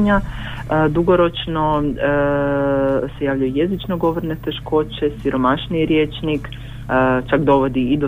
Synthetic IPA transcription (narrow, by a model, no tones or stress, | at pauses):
ɲa | d̪uɡo̞ɾo̞t͡ʃno̞ | se̞jaːʋʎajujezit͡ʃnoɡo̞ʋoɾne̞t̪e̞ʃko̞ːt͡ɕe̞siɾo̞maʃniɾjeːt͡ʃnik | t͡ʃakd̪o̞ʋo̞d̪iːd̪o